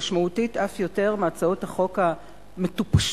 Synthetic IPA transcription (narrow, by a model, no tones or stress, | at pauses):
ʃmautitafjo̞te̞ʁmaaːt͡saothaχo̞ka | metupʃ